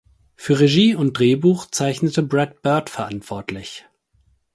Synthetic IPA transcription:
fyːɐʁeʒiːʊnt̚d̥ʁeːbuːxt͡saɪçnətəbʁɛt̚b̥œɐtfɛɐʔantv̥ɔɐtʰlɪç

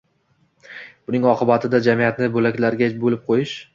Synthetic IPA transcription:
b̥ʊnɪŋɒqʰɨbat̪ʰɪd̪ad͡ʒamijat̪nɪbɵlakʲlaɾɡʲabolɪp̚qʰojɪʃ

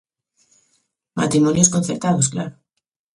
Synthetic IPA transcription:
ma̰t̪ɾimonjoskon̟θeɾt̪aðosklaɾo

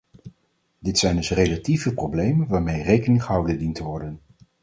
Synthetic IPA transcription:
dɪtsɛjndɵsrelativəprowblejmənʋaːɹmejrejkənɪŋχəɦɑwdəndintəʋɔɹdən

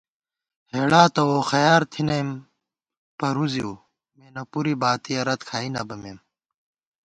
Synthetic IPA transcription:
heːɽaːt̪ɐwoːxɐjaːɾt̪ʰinɐjm | pɐɾuziuː | meːnɐpuɾibaːt̪ijɐɾɐt̪kʰaːinɐbɐmeːm

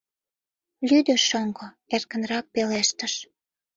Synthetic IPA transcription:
lyd̪ø̆ʃoŋɡo | erkə̆nrɑk̚peleʃt̪ə̆ʃ

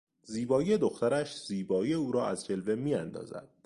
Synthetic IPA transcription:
ziːbɒːije̞d̪o̞xt̪æɾæʃz̥iːbɒːijeuːɾɒːæzd͡ʒe̞lve̞miːænd̪ɒ̰ːzæ̰d̪̥̚

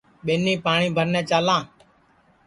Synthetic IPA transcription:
ɓeːniːpaːɳĩːbʱəɾnɛ̃ːt͡ʃaːlãː

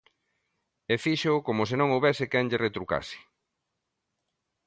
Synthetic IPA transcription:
efiʃokomosɪnõŋowβɛsɪkɛŋʎeret̪ɾuka̰sɪ̥

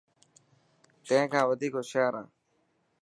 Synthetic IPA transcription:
t̪ẽẽːkʰãːʋəd̪ʱiːkoːʃaːɾã̰ː

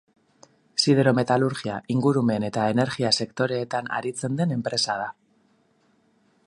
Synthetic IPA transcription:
siðeɾo̞me̞t̪aluɾɣiaʔiŋɡuɾume̞ne̞t̪ae̞ne̞ɾɣiase̞kt̪o̞ɾe̞ːt̪ana̰ɾit͡se̞nd̪e̞ne̞mpɾe̞sað̞a

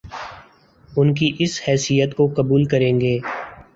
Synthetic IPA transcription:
ʊnkiʔɪshɛːsijət̪kokɐbuːlkəɾẽːŋɡeː

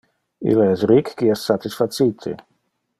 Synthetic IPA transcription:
ḭlɛsɾikːiɛsːat̪isfat̪sit̪ʰḛ

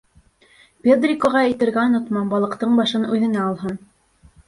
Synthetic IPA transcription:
pʲed̪rʲikoʁɑɘ̆t̪ɘ̆ɾɡæŏnŏt̪mɑnbɑlˠɤ̆qt̪ɤɴbɑʃɤnʉðɘ̆næːlˠɦɤn

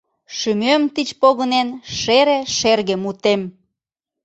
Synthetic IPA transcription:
ʃymømt̪it͡ɕpoɣənenʃeɾeʃerɣemut̪em

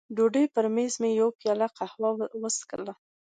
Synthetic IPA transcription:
ɖoɖəjp̪əɾmezmejawpjɑlaqahwɑwəskə̰la

